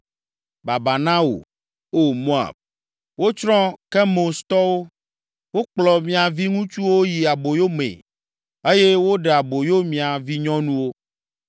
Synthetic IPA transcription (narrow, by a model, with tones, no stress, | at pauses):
ba˨ba˨nã˦wo̰˨ | o˦mo˦a̰˨b̚ | wo˦t͡ʃɾɔ̃˦ke˦mo˨st̪ɔ˦wo˦ | wo˦k͡plɔ˨mĩ˨a˨vi˦ŋũ˦t͡ʃu˦wo˦ji˨a˨bo˨jo˦mḛ˨ | e˦je˦wo˦ɖɛ˨a˨bo˨jo˦mĩ˨a˨vi˦ɲɔ̃˦nũ˦wo˦